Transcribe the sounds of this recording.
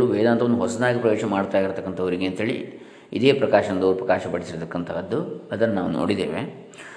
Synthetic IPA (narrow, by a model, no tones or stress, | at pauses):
ɭuʋɛːd̪aːnt̪ɐʋonduɦɔsɐd̪aːɡipɾɐʋeːʃɐmaːɽt̪aːjiɾt̪ɐkːɐnt̪ʰɐʋɐɾiɡe̞ːnt̪ɦeːɭḭ | ḭd̪e̞ːpɾɐkaːʃɐɐnd̪ɐʋɾupɾɐkaːʃɐpɐɽisiɾɔt̪ɐkːɐnt̪ʰɐɐd̪ːuɐd̪ɐnɐnaːʋuno̰ːɽid̪ḛːʋḛ